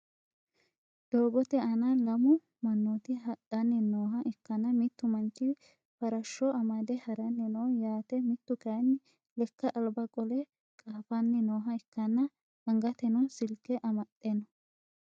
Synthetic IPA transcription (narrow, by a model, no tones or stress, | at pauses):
d̪̥o̞ːɡɔt̪ɛɐnɐlɐmʊ | mɐnːot̪ɪɦɐᶑɐnːɪnoːɦɐʔɛkːɐnɐmɪt̪ːʊmɐnt͡ʃːɪ | fɐɾɐʃːɔɐmɐd̪ɛhɐɾɐnːɪnowjaːt̪ɛmɪt̪ːʊkɐnː | lɛkːɐʔɐlbɐkʼɔlɛ | kʼaːfɐnːɪnoːɦɐɛkːɐnːɐ | ɐŋɡɐt̪ɛnɔsɪlkːɛʔɐmɐt̪ʼːenɔ